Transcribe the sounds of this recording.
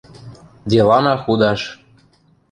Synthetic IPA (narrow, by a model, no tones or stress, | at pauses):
d̪ʲelɑnɑxud̪ɑʃ